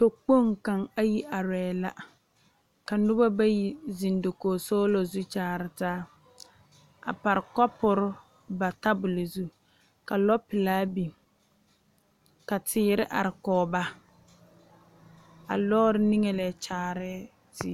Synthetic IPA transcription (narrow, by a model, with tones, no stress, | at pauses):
to˨k͡po˦ŋka˨ŋa˦ji˦ʔa˨ɾɛː˨la̰˦ | ka˨nʊ˦ba˦ba˦ji˦zi˨ndo˨koː˨sɔː˦lo˨zu˦t͡ʃaː˨ɾɪ˨taː˦ | a̰˨pa˨ɾɪ˨kɔ˦pʊ˦ɾʊ˦ | ba˨ta˦bʊ˨lo˨zu˦ | ka˨lɔ˦pɪ˨laː˦bi˨ | ka˨tʰɪː˨˦ɾɪ˦ʔa˨ɾɪ˨kɔː˨ba˦ | a̰˨lɔː˦ɾɪ˦ni˦ŋɛ˦lɛ˨t͡ʃaː˨ɾɛ˦ | tɪ˦